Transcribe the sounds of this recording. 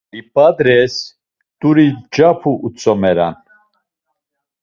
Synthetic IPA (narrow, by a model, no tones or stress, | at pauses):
ibʼad̪ɾɛs | t̪uɾid͡ʒapʰuʔːt͡sʼɔmɛɾa̰n